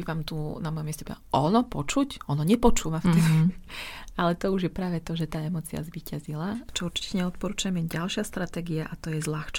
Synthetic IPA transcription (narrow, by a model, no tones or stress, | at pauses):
iʋaːmt̪unamɔjɔmjɛscɛbḭla̰ʔɔnɔpɔt͡ʃucɔnɔɲɛpɔt͡ʃuːʋaft̪ɛd̪i | alɛt̪ɔuʒjɛpɾaːʋɛt̪ɔʒɛt̪aːɛmɔːt͡sia̰zʋiːcazilat͡ʃɔuɾt͡ʃi̥cɛɲɛɔt̪̚pɔɾuːt͡ʃuɛmjɛɟalʃɪast̪ɾat̪ɛːɡiaʔat̪ɔjɛzlaxt͡ʃ